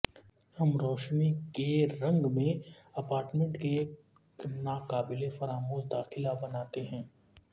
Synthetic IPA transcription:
hɐmɾɔːʃnikeɾɐ̃ŋɡmẽɐpaːɾʈmẽɳʈkeːk | naːkaːbɪlefɐɾaːmoːɦd̪aːxɪlabɐnaːt̪eɦɛ̃ː

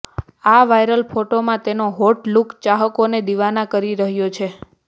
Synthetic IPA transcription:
aʋajɾəlpʰoʈomãt̪enoɦoʈlukt͡ʃaɦəkoned̪iʋanakəɾiɾəɦjot͡ʃʰe

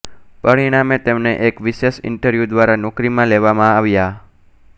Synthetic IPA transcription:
pəɽiɽ̃amet̪emneʔekʋiʃeʃɪ̰ɳʈəɾʋjud̪ʋaɾanɔkɾimãleʋamãaʋja

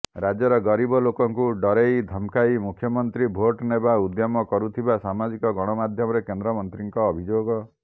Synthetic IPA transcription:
ɾad͡ʒjɔɾɔɡɔɾibɔlokɔŋkuɖɔɾejd̪ʱɔmkajmukʰjɔmɔnt̪ɾibʱoʈnebaud̪jɔmɔkɔɾut̪ʰibasamad͡ʒikɔɡɔɽ̃ɔmad̪ʱjɔmɔɾekend̪ɾɔmɔnt̪ɾiŋkɔːbʱid͡ʒoɡɔ

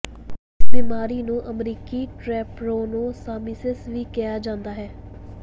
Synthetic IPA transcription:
ɪsbiːmaːɾiːnũːʔəmɾiːkiːʈɾɛːpɾoːnũːsaːmisɪsʋiːkɪjaːd͡ʒãːnd̪aːɦɛː

